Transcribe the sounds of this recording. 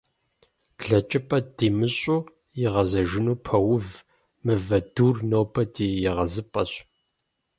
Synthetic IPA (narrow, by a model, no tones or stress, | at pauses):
b̥ɮɐt͡ʃʼɪpʼɐd̥iːmɨɕʼuː | jɪʁɐzɐʒɪnuːpʰɐwʊv | mɨvɐduːrnoːpʰɐdiːjɪʁɐzɨpʼɐɕ